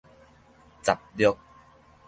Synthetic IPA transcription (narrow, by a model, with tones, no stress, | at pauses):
t͡sa˨˩p̚ljɔ˦k̚